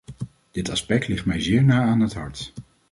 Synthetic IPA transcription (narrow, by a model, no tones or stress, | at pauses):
d̥ɪtɑ̰spɛk̚tlɪχtmɛjzɪːɹnaːaːnɦətɦɑɹt